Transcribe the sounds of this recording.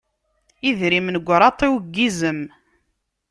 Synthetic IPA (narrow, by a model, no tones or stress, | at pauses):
iðɾimnəɡʷːɾˤɑt̪ˤːiwɡːizəm